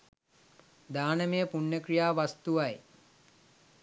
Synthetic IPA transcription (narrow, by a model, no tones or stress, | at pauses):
d̪aːnəmejəpuɳːəkɾijaːʋast̪uʋaj